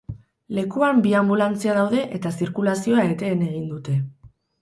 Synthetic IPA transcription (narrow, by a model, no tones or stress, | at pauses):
le̞kuambiambulant͡siaðawðe̞ʔe̞t̪asiɾkulasio̞ae̞t̪e̞ːne̞ɣ̞ind̪ut̪e̞